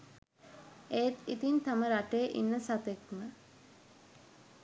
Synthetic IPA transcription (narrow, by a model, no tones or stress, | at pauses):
eːt̪it̪int̪aməɾaʈejːʔḭnːəsat̪ekmə